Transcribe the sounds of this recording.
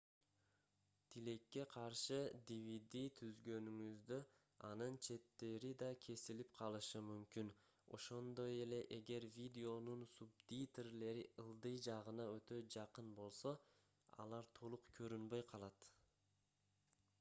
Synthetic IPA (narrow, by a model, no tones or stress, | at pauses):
t̪ʰile̞kːe̞qʰɑɾʃɯd̪ʲivid̪ʲit̪ʰyzɡø̞nyŋyzd̪ø | ɑnɯnt͡ʃʰe̞t̪ːe̞ɾid̪ɑkʲʰe̞silipqʰɑlˠɯʃɯmymkyn | o̞̰ʃo̞nd̪o̞je̞le̞ʔe̞ɡe̞ɾvʲid̪ʲeo̞nunsubd̪it̪erle̞ɾiʔɯlˠd̪ɯjd͡ʒɑʁɯnɑø̞t̪ø̞d͡ʒɑqɯnbo̞lˠso̞ | ɑ̰lˠɑɾt̪ʰo̞lˠuqkʲʰø̞ɾynbø̞jqʰɑlˠɑt̪